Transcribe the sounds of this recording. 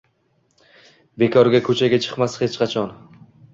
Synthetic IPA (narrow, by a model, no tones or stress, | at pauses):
bekʰɒɾɡʲakʰɵt͡ʃʰaɡʲat͡ʃʰɨ̥qmashet͡ʃqʰɑt͡ʃʰɒn